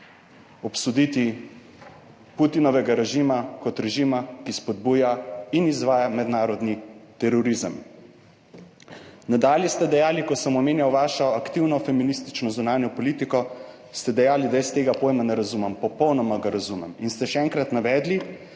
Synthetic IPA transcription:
ɔpsud̪it̪i | put̪inɔʋɛɡaɾɛʒimakɔt̪ɾɛʒimakispɔd̪̚buːjainizʋaːjamɛd̪naːɾɔd̪nit̪ɛɾɔɾizam | nad̪aːljɛst̪ɛd̪ɛjaːlikɔsɐmɔmeːnjawʋaːʃɔakt̪iwnɔfɛminist̪i̥t͡ʃnɔzunaːnjɔpɔlit̪ikɔ | st̪ɛd̪ɛjaːlid̪ajəst̪eːɡapoːjmanɛɾazumɛmpɔpɔwnɔmaɡaɾazumɛ̰minst̪ɛʃɛɛŋkɾat̪naʋɛːd̪li

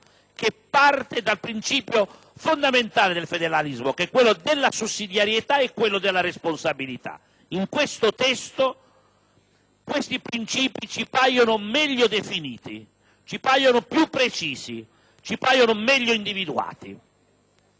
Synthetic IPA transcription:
k̟epːart̪ed̪alpɾint͡ʃiːpjo | fond̪ament̪aːlɪd̪elfed̪eɾalizmokɛkːwelːod̪ɪlːasusːid̪jaɾjet̪aɛkːwelːod̪elːaɾesponsabilit̪a̰ | iŋkwest̪ot̪ɛst̪o | kwest̪ipɾint͡ʃiːpit͡ʃipajonʊmɛʎːod̪efiniːt̪i | t͡ʃipajonʊpjupːɾet͡ʃiːsḭ | t͡ʃipajonomɛʎːoind̪ivid̪ua̰ːt̪i

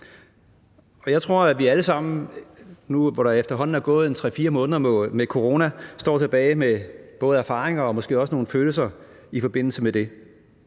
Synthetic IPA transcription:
ɒ̽jɑ̈ɪt͡sʰʁo̝ɐ̰æʋiæləsɑ̈m̰n̩ | nuʋɒɾ̥ɑ̈efd̥ɐɦɒ̽n̰n̩æɐɡ̥ɔ̽ːð̞̩ˠent͡sʰʁɛ̰fiːɐmɔ̽ːnðˠɐmekʰo̝ʁo̝ːnæsd̥ɒ̰ːt͡sʰe̝b̥ɛːɪmeb̥ɔ̽ːð̞̩ˠæɐfɑ̈ːʁeŋɐɒ̽mɒ̽sɡ̥e̝̰ːɒ̽sno̝ːn̩føːl̩sɐ | ifɒ̽b̥e̝n̰l̩səmed̥e̝

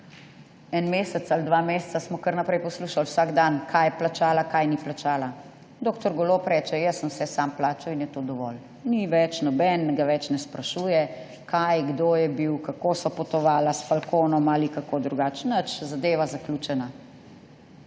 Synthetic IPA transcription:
ɛnmeːsɛt̪sald̪ʋamessasmɔkəɾnapɾɛjpɔsluʃalwsaːɡd̪ankʰajɛplat͡ʃaːlakajniplat͡ʃaːla | d̪oːkt̪ɔɾɡɔlopɾɛːt͡ʃɛjəsənwsɛsamplaːt͡ʃainjɛt̪oːd̪ɔʋɔl | niʋɛt͡ʃnɔbɛnɡaʋɛt͡ʃnɛspɾaʃuːjɛ | kʰajɡd̪oːjɛbiwkakoːsɔpɔt̪ɔʋaːlasfalkoːnɔmalikakoːd̪ɾuɡaːt͡ʃnət͡ʃzad̪eːʋazaklʲut͡ʃɛna

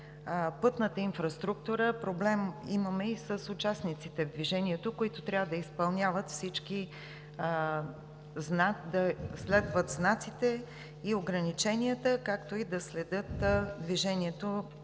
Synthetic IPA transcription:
pɤt̪nət̪əinfɾɐst̪ɾuk̚t̪uɾəpɾoblɛmiməmɛisəsʊt͡ʃasnit̪sit̪ɛvd̪viʒɛniɛt̪okʊit̪ot̪ɾʲjavəd̪ɐispɐlˠnʲavət̪fsit͡ʃki | znad̪ɐslɛd̪vət̪znat̪sit̪ɛ | ioɡɾɐnit͡ʃɛnijət̪əkakt̪oid̪ɐslɛd̪ɤt̪d̪viʒɛniɛt̪o

